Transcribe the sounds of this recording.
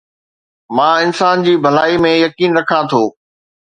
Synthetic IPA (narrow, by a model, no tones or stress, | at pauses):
mãːɪnsaːnd͡ʑiːbʱɐlaːimẽjɐkiːnɾɐkʰãt̪ʰoː